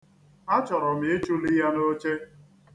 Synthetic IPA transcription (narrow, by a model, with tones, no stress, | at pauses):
a˦t͡ʃɔ˨ɾɔ˨m̩˨e˦t͡ʃu˦li˦ja˦no˦t͡ʃe˦